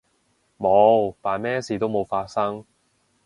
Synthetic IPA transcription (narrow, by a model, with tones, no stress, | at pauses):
mo˨˧wpaː˨˩nmɛː˥siː˨˧t̪o˥wmo˨˧wfaː˧t̚sɐ˥ŋ